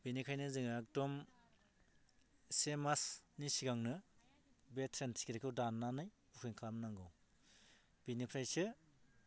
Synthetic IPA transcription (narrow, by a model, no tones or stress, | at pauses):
binikʰajnɯzɯŋak̚tɔm | semasnisiɡaŋnɯ | betʰɾentʰi̥kiɾekʰɯwdanːanɯj | ukʰɯŋkʰamnaŋɡɯw | b̥inipʰɾajsɯ